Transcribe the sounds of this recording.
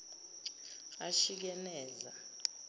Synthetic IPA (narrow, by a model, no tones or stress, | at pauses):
aʃik̬ɛnɛːza